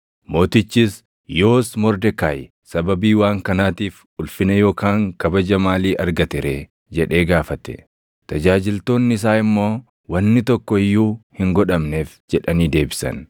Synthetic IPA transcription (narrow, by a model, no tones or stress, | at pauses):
mo̞ːt̪ɪt͡ʃːis | jo̞ːsmɔɾd̪ɛkaːj | sɐbɐbiːwaːŋkɐnaːt̪iːf | ʊlfɪnɐjo̞ːkaːŋkɐbɐd͡ʒɐmaːliːʔɐɾɡɐt̪ɪɾeː | d͡ʒɛᶑe̞ːɡaːfɐt̪ɛ̥̰ | t̪ɐd͡ʒaːd͡ʒɪlt̪o̞ːnːɪɪs̬aːɪmːo̞ː | wɐnːɪt̪ɔkːɔɪjːuːhɪŋɡɔᶑɐmne̞ːfd͡ʒɛᶑɐniːd̪e̞ːbɪsɐ̰n